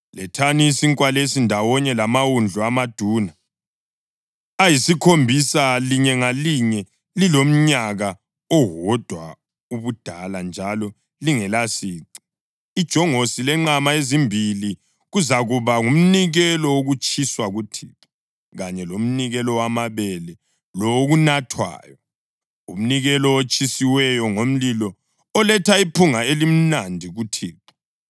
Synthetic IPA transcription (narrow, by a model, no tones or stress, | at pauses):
lɛtʰaniːsiŋkʼwalesindʱawɔɲɛlamawund͡ɮʱuamad̥ʱuːna | ajisikʰombʱisaliɲɛŋaliɲɛ | lilom̩ɲaɣa | ɔɣɔd̥ʱwa | uβud̥ʱaland͡ʒʱalɔ | liŋɛlasiːǀi̥ | id̥ʒ̥ʱɔŋosilɛŋ͡ǁamaezimbʱili | ɣuzaɣuβaŋum̩niɣɛlɔoɣut͡ʃʰʼiswaɣutʰḭǁu̥ | ɣaɲɛlom̩niɣɛlɔwamaβɛlɛ | lɔɣunatʰwa̰ːjɔ | ṵm̩niɣɛlɔot͡ʃʰʼisiwɛjɔŋom̩lilɔː | lɛtʰaipʰuŋaelim̩nandʱiɣutʰiːǁu̥